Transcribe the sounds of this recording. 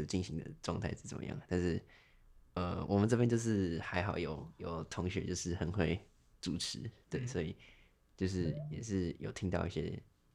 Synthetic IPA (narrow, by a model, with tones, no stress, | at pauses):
o˨˩t͡ɕi˥˩nɕi˧˥ŋd̪ə̰˨ʈ͡ʂwɑ˥˧ŋt̪ʰa˥˧ɪʂɻ̩˥˩t͡sə˨˩mə̰˧jɑ̰˥˩ŋ˨˩t̪a˥˧nʂɻ̩˥˩ | ə˧˩wʔɔ̰˨˩mə˨˦nʈ͡ʂɤ˥˧fə˧nt͡ɕjo˥˧ʊʂ̬ɻ̩˥˩xa˧˥ɪxɑ˨˩ʊjo˨˩ʊjo˨˩ʊt̪ʰʊ˧˥ŋɕɥɛ̰˧˥t͡ɕjo˥˧ʊʂɻ̩˥˩xə˧˥nxwe˥˩ɪ | ʈ͡ʂu˨˩ʈ͡ʂʰɻ̩˧˦t̪we˥˩ɪswɔ˧˥i˨˩ | t͡ɕjo˥˧ʊʂ̬ɻ̩˥˧jɛ̰˨˩ʂɻ̩˥˩jo˨˩ʊt̪ʰi˥ŋt̪ɑ˥˧ʊi˥˩ɕjɛ̰˥